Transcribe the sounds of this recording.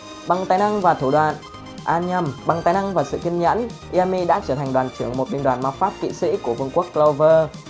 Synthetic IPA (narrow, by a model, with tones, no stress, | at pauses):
ɓa˨˩ŋt̪aː˨˩jna˧ŋvaː˨˩t̪ʰu˧˩ɗwaː˧˨n | ʔaː˧nɲa˧mɓa˨˩ŋt̪aː˨˩jna˧ŋvaː˨˩sɨ̰˧˨ki˧mɲə̰˧˥nʔi˧ɛ˧mi˧ɗa̰ː˧˥t͡ɕəː˧˩t̪ʰŋ̟ɗwaː˨˩nt͡ɕɨ˧˩əŋmo˨˩t̚ɓi˧ŋɗwaː˨˩nmaː˧faː˦˥p̚kḭ˧˨sḭ˧˥ku˧˩əvɨ˧ŋku˦˥əkːla˧wvəː˧